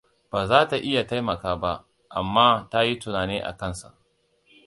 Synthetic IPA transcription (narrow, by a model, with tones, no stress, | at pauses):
b̥aː˨zaː˦ta˨ʔɪ˦ja˨ta˦jmɐ˨kaː˦ba˦ʔ | ʔa˨mːaː˦ta˦ji˦tʊ˨naː˨neː˦ʔa̰˨kɐ˦nsa̰˨ʔ